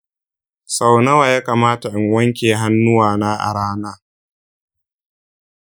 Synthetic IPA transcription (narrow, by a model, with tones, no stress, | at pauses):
sa˨wnɐ˦waː˨jaː˦kaː˨maː˦ta˨ʔɪ˨ŋwɐ˦ŋkʲeː˨ɦa˦nːʊ˦waː˨na˦ʔa̰˨ɽaː˦naː˦